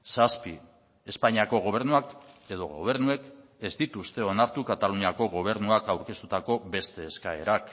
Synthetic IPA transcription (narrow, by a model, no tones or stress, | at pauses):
saspi | e̞spaɲiako̞ɣ̞o̞β̞e̞ɾnuake̞ðo̞̰ɣo̞̰β̞e̞ɾnue̞ke̞zd̪it̪ust̪e̞o̞naɾt̪ukat̪aluniako̞ɣo̞β̞e̞ɾnuakawɾke̞st̪ut̪ako̞be̞st̪e̞ːskae̞̰ɾak